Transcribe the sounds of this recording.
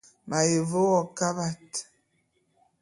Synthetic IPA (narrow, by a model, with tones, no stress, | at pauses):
ma˨je˨vo˦wɔ˨ka˦ba˦t